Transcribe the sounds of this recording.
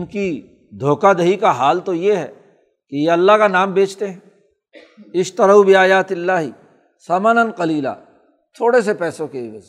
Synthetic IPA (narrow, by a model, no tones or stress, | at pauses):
ʊnki | d̪ʱoːkad̪ɐɦikaɦaːlt̪ojeɦɛ̰ː | kejeɐlːaɦkanaːmbeːt͡ʃt̪eɦɛ̃ | ɪʃt̪ɐɾaubiaːjaːt̪ɪlːaːɦi | sɐːmanənqɐliːla̰ː | t̪ʰoːɽes̬epɛːsõkeʋɐz